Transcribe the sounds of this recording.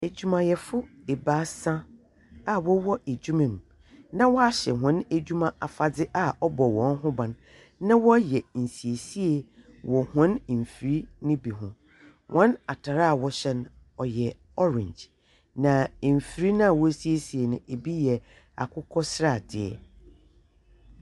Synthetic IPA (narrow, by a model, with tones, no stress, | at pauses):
e˨d͡ʑu˨mã˨jɛ˨fʊ˦ | e˨baː˦sã˦ | a˨wɔ˦wɔ˦ʔe˨d͡ʑᶣu˦mɪ̃˨m˨ | nã˦wɔ˦a˦ɕɛ˨ɦʊ̃˦ne˦d͡ʑᶣu˦mã˦ʔa˨fa˨dɪ˦ʔa˨ɔ˦bɔ˨wɔ̃˨˦n˦ɦʊ̃˦bã˨n | nã˦wɔ˦jɛ˨n̩˨si˨e˨si˦e˨ | wɔ˨hʊ̃˦n̩˨fi˨ɾi˦nɪ̃˦bi˨ɦʊ̃˨ | wʔɔ̃˦na˨tʰa˨ɾa˦˨wɔ˦ɕɛ˦n | ɔ˨jɛ˨ | ɔ˦ɾɪ̰̃˨ɲd͡ʑ | nã˨m̩˨fi˨ɾi˦nã˦a˨wɔ˦si˦e˦si˨e˨nʊ̃˨ʔe˨bi˦jɛ˨ | a̰˨kʰʊ˦kʰɔ˦sɾa˦˨dɪ̰˨ɛ̰˨